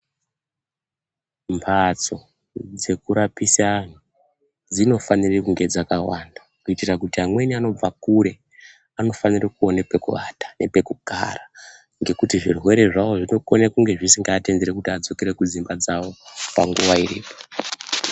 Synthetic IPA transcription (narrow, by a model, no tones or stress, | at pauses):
mpʰat͡so̞ | d͡ze̞kuɾapisaːn̤u | d͡zino̞fanirikuŋɡe̞d͡zakawandakuitirakutiamweniano̞b͡vakuɾe̞ | ano̞fanirakuonepe̞kuʋa̰tḁne̞pe̞kuɡ̥ʱa̰ra | ŋɡe̞kutiʐirwe̞ɾe̞ʐawo̞ʐino̞konakuŋɡe̞ʐisiŋɡaːtendeɾekutiad͡zo̞keɾe̞kud͡zimbad͡zao̞paŋɡuʋairḭːpo̞̥